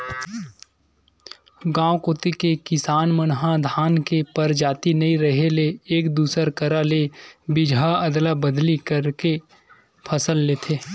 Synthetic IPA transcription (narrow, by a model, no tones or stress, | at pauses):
ɡãːokoːt̪ikekɪsaːnmənɦãd̪ʱaːnkepəɾd͡ʒaːt̪inɐĩɾəɦeleːkd̪uːsəɾkəɾalebɪd͡ʒʱaəd̪labəd̪likəɾke | pʰɐsəlːeːt̪ʰeː